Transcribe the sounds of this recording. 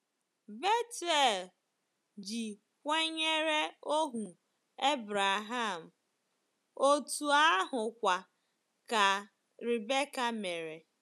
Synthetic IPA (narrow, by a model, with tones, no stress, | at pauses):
be˦te˦˨l | d͡ʒi˨ | kʷe˦ɲe˦ɾe˦o˦ɦu˨ | e˦bɾa˨ɦa˦˨m̩˨ | o˦tu˨a˦ɦʊ˨kʷa˨ | ka˨ | ɾi˨be˦ka˦me˨ɾe˨